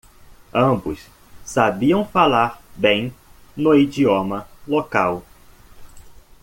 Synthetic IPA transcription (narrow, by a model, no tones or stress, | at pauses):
ɐ̃bʊs | sabiɐ̃w̃falaɾbẽj̃nʊid͡ʒiomɐlokaw